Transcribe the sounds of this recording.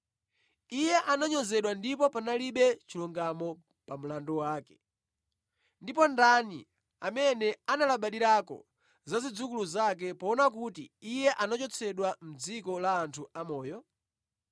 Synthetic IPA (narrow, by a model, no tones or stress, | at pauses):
ijɛʔanaɲɔzɛɗwandipɔpanaliɓɛt͡ʃilɔŋɡamɔ | pam̩landɔwaːkɛ̥ | ndipɔndanḭ | amɛnɛanalaɓaɗiɾakɔ̰ | zazid͡zukuluzak̬ɛpɔːnakutiijɛʔanat͡ʃɔt͡sʰɛɗwam̩d͡zikɔlaːntʰuamɔːjɔ